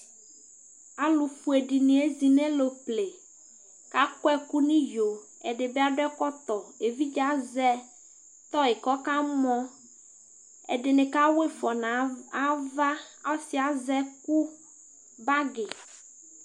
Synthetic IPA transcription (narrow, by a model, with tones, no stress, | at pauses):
a˨lu˨fu˨e˨ɖi˨nĩ˨e˦zi˨nẽ˦lo˨ple˨ | ka˦kɔ˦ɛ˦ku˦nĩ˦jo˨ | ḛ˨ɖe˨be˦a˨ɖo˦ɛ˦kɔ˦t̪ɔ˨e˨vi˦d͡ʒa˦zɛ˦ | t̪ɔ˦e˨kɔ˦ka˦mɔ̃˦ | ḛ˨ɖe˨nẽ˨ka˦we˦fɔ˨nã˨a˦va˦a˦si˨a˨zɛ˦ku˦ | ba˦ɡe˨